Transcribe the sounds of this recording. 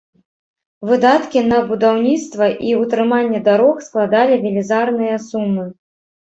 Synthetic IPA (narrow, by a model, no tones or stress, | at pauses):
vɨd̪at̪kʲinɐbud̪awnʲit̪st̪vɐʔiut̪ɾɨmanʲːɛd̪aɾɔxsklˠad̪alʲivʲilʲizarnɨjɐsumːɨ